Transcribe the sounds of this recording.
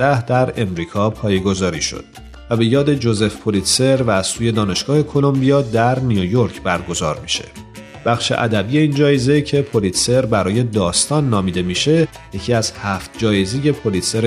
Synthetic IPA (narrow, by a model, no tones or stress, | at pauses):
æhd̪æɾe̞mɾiːkʰɒːpʰɒːjeɡo̞zɒːɾḭːʃo̞̰d̪̥̚ | væbe̞jɒːd̪e̞d͡ʒo̞ze̞fpʰo̞lit̪se̞ɾvæːz̥suːje̞d̪ɒːne̞ʃɡ̥ɒːhe̞kʰo̞lo̞mbijɒːd̪æɾnijojo̞ɾcʰbæɾɡo̞zɒ̰ːɾmiʃe̞̥̰ | b̥æχʃe̞̰ʔæ̰d̪æbiːje̞iːnd͡ʒɒːjeze̞cʰe̞pʰo̞liːt̪se̞ɾbæɾɒːje̞d̪ɒːst̪ɒːnːɒːmiːd̪e̞miʃe̞ | je̞cʰiːæz̥hæft̪̚d͡ʒɒːjeze̞je̞pʰo̞lit̪seɾ